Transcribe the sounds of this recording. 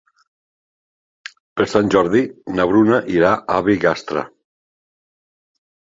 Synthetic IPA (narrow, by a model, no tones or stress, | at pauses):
pəɾsanʲʒɔɾðinaβɾunaʔiɾaʔaβiɣast̪ɾa̰